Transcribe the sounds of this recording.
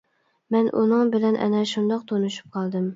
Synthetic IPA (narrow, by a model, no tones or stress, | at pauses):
mɛnʔṵnɨŋbɪlɛnʔɛ̰nɛʃund̪ɑq̚t̪ʰonuʃu̥p̚qʰɑlˠd̪ɨm